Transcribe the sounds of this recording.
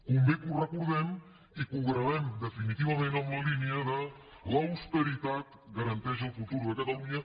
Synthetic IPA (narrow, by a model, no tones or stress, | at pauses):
kumbekurakuɾðen | ikuɣɾaðend̪efinit̪iβamenameliniaða | lawspeɾit̪at̪ | ɡaɾant̪eʃelfut̪uɾueket̪auɲa